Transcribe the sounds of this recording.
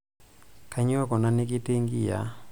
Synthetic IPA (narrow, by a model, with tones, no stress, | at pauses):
ka˦ɲ˦ɔ˦kɔ˨na˦ne˦ki˦te˦ŋɡi˦˨ja̰˦